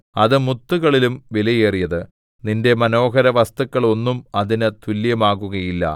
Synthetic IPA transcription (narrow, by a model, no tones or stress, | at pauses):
ɐðɨmut̪ːuɣɐɭilumʋilɐjeːrijɐðɨ | ninde̞mɐno̞ːɦɐɾɐʋɐst̪ukːɐɭo̞nːumɐðinɨt̪ʰuljɐmaːɣuɣɐjilːɐ̰